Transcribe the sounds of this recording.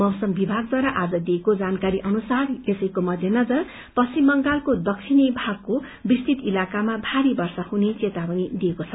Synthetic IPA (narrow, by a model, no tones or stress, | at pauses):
mʌwsʌmbibʱaɡ̚d̪waɾaʔad͡zʌd̪iekod͡zankaɾiʔʌnusaresʌjkomʌd̪ʱjenʌd͡zʌr | pʌsimːʌŋɡalkod̪ʌkt͡sʰinibʱaɡ̚ko | bist̪it̪ilakamabʱaɾibʌrsahunet͡set̪abʌnid̪iekot͡sʰʌ